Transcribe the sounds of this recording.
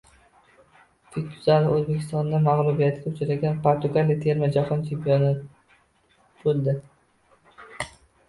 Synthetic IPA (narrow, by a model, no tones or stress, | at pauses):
fikʲjʰʊzalɪɵzbekʲʰɪst̪ɒnd̪amaʁlˠʊbijat̪ʰɪɡʲaʊt͡ʃʰaɾaɡʲanpʰoɾt̪ʊɡalit̪ʰe̞ɾmad͡ʒaχɒnt͡ʃʰempijona | bolˠd̪ɪ